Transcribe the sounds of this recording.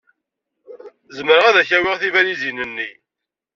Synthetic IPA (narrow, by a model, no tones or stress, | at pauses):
zəməɾəʁæðæçæwɪʁθivælizinənːi